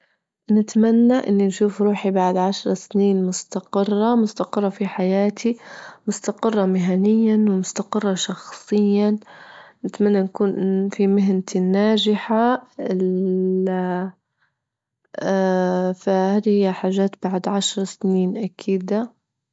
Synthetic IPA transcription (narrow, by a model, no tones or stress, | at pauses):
nɪt̪manːaʔɪnːinʃuːfɾˤuːħibaʕd̪ʕaʃɾˤɑsniːnmʊst̪aqɪrˤːɑmʊst̪aqɨrˤːɑfiħajaːt̪ʰimʊst̪aqɨrˤːɑmɪɦanɪjːanwɪmʊst̪aqɨrˤːɑʃɑxsˤɨjːa | nɪt̪manːankuːnfimɪɦnt̪inːaːd͡ʒɪħaɪ | a | fahaːd̪hɪjːaħaːʒːaːt̪baʕd̪ʕaʃɾˤɑsniːnʔakʰiːd̪a